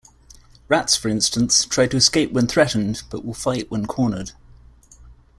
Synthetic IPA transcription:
ɹatsfəɹɪ̃nstə̃nstʰɹ̥aɪd̚tʰəɪskeɪpwə̃nθɹɛʔn̩b̥ʌʔwɪlˠfaɪʔwə̃nkʰɔːnəd̥

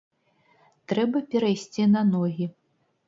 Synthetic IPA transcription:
t̪ɾɛbɐpʲɛɾajsʲt͡sʲinɐnɔɣʲi

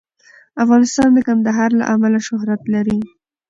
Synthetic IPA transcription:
afɣɑnɪst̪ɑnd̪əkand̪aɦɑɾla̰ʔamalaʃʊɦɾat̪laɾi

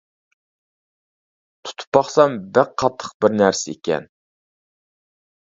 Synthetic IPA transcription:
t̪ʰu̥t̪ʰu̥pːɑχsɑmbɪɾqʰɑt̪ʰːə̥q̚bɪɾnæɾsɪḛkʲʰɛ̰n

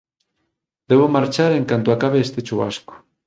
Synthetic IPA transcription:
d̪eβ̞omaɾt͡ʃaɾeŋkant̪oakaβ̞eest̪et͡ʃuβa̰sko̥

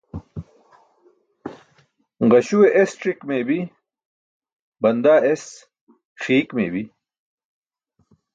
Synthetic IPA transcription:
ʁɐɕuweʔesʈɾikmeːbi | bɐnd̪aːes | xiːkmḛːbi

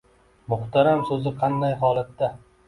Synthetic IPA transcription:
mʊχt̪ʰaɾamsɵzɪqʰɑnd̪ajɦɒːlˠat̪ːa

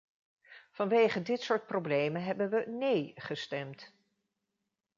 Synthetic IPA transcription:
v̥ɑnʋejχədɪtsʊːɹt̚problejmənɦɛbənʋənejχəstɛmt

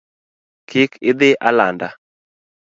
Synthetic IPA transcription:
kʰɪkʰɪd̪ɪʔalanda

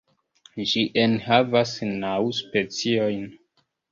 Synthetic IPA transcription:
d͡ʒiʔenhavasnawspet͡siojn

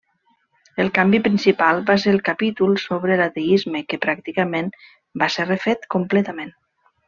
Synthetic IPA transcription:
əlˠkambipɾinsipalˠbas̬eɾəlˠkapit̪ulˠsoβɾəlat̪eizmekəpɾak̚t̪ikəmen | baserefet̪kumplɛt̪amen

